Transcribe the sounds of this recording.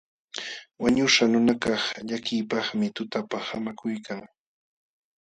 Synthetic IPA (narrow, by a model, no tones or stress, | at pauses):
waɲʊʃanʊnakɑχʎakɪːpɑχmɪt̪ʊt̪apaχamakʊjkʰaŋ